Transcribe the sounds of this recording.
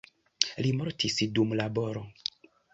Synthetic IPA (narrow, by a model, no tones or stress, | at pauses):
limoɾtʰisdumlabo̞ɾo